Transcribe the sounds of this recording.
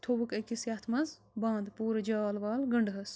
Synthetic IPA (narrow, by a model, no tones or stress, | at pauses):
t̪ʰoʋukekisjɐːt̪ʰmɐz | bãːnd̪puːɾɐd͡ʒaːlʋaːlɡɐɳɖɦɐs